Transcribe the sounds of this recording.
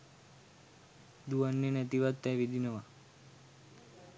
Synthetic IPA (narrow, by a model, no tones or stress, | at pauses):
d̪uənːinet̪iʋəd̪t̪ːɛʋid̪ʱinəʋa